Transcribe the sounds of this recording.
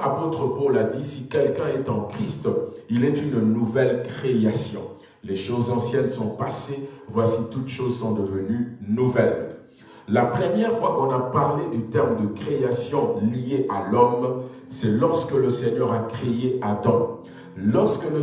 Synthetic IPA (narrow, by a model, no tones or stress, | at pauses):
apot̪χəpɔlad̪isikʲɛlkɛ̃ɛt̪ɑ̃kχist̪ilɛt̪ynnuvɛlkχeasjɔ̃ | leʃozɑ̃sjɛnsɔ̃pasevwasit̪ut̪ʃozsɔ̃d̪əvənynuvɛl | lapχəmjɛʁfwakɔ̃napaʁled̪yt̪ɛʁmd̪əkχeasjɔ̃lieʔalɔm | sɛlɔʁskələsɛɲœʁakχeead̪ɑ̃ | lɔʁskələ